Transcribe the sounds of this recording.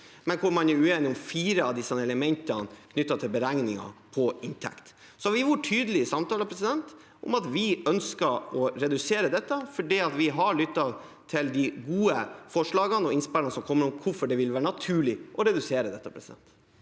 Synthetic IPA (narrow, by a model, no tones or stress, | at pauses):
mɛnkʰʊɾmɑnæʉeːnɪɔmfiːɾəɑʋd̪ɪsːɛləmɛnt̪ənkʰnʏt̪ːɑt̪ʰɪlbəɾæŋnɪŋɑ̰pʰɔɪnt̪ʰɛ̰kt̪ | sɔhɑɾʋɪʋʊʈʰyːd̪əlɪəsɑmt̪ʰɑːləpʰɾɛsɪd̪ɛnt̪ | ʊ̰mɑt̪ʋɪœnskəɾɔɾɛd̪ʉseːɾəd̪ɛt̪ːəfɔɖiːɑt̪ʋɪɦɑɾɭʏt̪ːɑ | t̪ʰɪld̪ɪɡuːəfɔʂɭɑːɡənɔɪnspːlnsɔmkʰɔmːəɾɔmkʰʊfɔɖɛʋɪlʋæːɾəɳɑt̪ʰʉːɭɪʔɔɾɛd̪ʉseːɾəd̪ɛt̪ːəpʰɾɛsɪd̪ɛ̰nt̪